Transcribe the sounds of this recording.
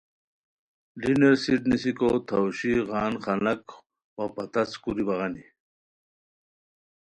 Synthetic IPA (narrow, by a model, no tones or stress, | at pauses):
ɖineɾsiʈnisikot̪ʰɐwɕiɣaːnχɐnɐk | wapɐt̪ɐskuɾibɐʁani